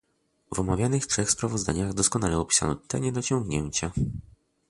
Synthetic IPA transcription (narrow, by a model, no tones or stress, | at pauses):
vɔmavʲjanɘxtʂɛxspɾavɔzd̪aɲaɣd̪ɔskɔn̪alɛɔpʲi̥sa̰nɔt̪ɛ̰ɲɛd̪ɔt͡ɕɔŋɡɲɛɲt͡ɕa